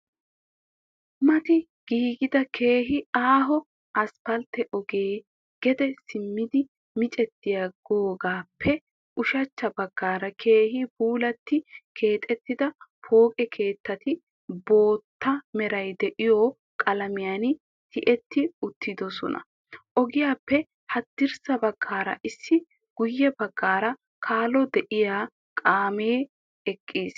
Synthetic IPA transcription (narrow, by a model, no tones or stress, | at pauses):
mɐt̪ɪ | ɡ̥iːɡɪd̪ɐkʰe̞ːɦɪaːɦɔ | ɐspɐlt̪ːɛʔɔɡeː | ɡ̥ɛd̪ɛsɪmːɪd̪ɪ | mɪt͡ʃʼɛt̪ːɪjaɡoːɡaːpʰːɛ | ʔʊʃɐt͡ʃːɐbɐɡːaːɾɐkʰe̞ːhɪb̥uːlɐt̪ːɪkʰe̞ːt̪ʼɛt̪ːɪd̪ɐpʰo̞ːkʼɛkʰe̞ːt̪ːɐt̪ɪ | bo̞ːt̪ːɐmɛɾɐjd̪ɛʔɪjɔ | kʼɐlɐmɪjaːn | t̪ʰɪʔɛt̪ːɪʊt̪ːɪd̪ɔsɔ̰nɐ̰ | ʔɔɡɪjaːpːɛ | hɐd̪ːɪɾsɐbɐɡːaːɾɐ̰ʔɪsːɪ | ɡ̥ʊjːɛbɐɡːaːɾɐ | kʰaːlɔd̪ɛʔɪjaː | kʼaːmeː | ɛkʼːiːs